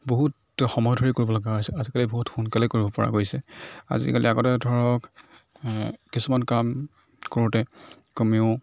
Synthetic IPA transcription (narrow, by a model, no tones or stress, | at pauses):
boɦut | xɔmɔjɔdʱoɹikoɹibɔlɔɡaojsɛazikaliboɦutxunkalɛkoɹibɔpɔ̰ɹa̰ɡojsɛa̰zḭkalḭaɡɔtɛdʱɔɹɔk | kːisumankam | koɹutɛkomiʊ